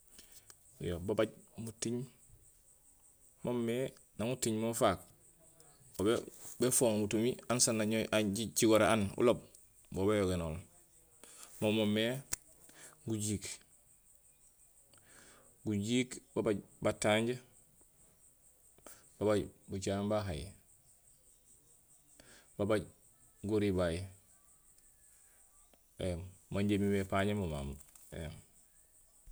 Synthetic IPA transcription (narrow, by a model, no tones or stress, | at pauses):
jobabaɟmutiɲ | momːe | namutiɲmomfak̚ | obebefoːŋmutumiansanːaɲaɟit͡ʃiɡoɾeanṵlob̚ | bobajoɡenoːl | momomːe | ɡuɟiːk | ɡuɟiːkbabaɟbataɲɟa | b̥abaɟbut͡ʃambaɦaj | babaɟ | ɡuɾibaj | emmaɲɟemimepaɲemoma̰mḛjm